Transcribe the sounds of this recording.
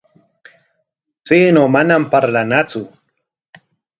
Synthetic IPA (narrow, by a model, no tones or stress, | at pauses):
t͡siːnomanampaɾlanat͡sʊ